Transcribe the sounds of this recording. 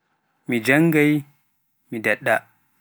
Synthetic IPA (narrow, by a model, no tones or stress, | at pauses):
mid͡ʒaŋɡaj | midaɗːa